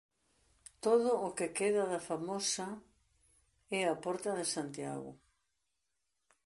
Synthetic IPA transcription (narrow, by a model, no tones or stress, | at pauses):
t̪oðʊːkekeðɐðafamosɐ | ɛapɔɾt̪ɐðɪsant̪ja̰ɣʊ̰